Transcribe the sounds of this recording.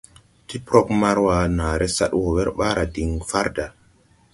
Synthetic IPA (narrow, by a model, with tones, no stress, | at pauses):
ti˦pɾɔ˦k̚ma˦ɾwa˨naː˨ɾe˦sa̰˦ɗwo˨wɛ˦ɾɓa˦ɾa˨di˨ŋfa˦ɾda˨